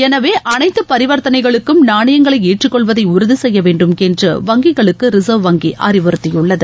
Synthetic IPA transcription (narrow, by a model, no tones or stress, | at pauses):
ɛnɐʋeːʔɐnɐɪt̪ːɯpɐɾɪʋɐɾt̪ɐnɐɪɣɐɭɯkːɯmnaːɳɐjɐŋɡɐɭɐɪeːʈrɪkːɔɭʋɐðɐɪʊɾɯðɯsɛjːɐʋeːɳɖɯmkɛndrɯ̰ʋɐŋɡɪɣɐɭɯkːɯɾɪsɐʋʋɐŋɡiʔɐ̰ɾɪʋɯɾɯt̪ːɪjʊɭːɐðɯ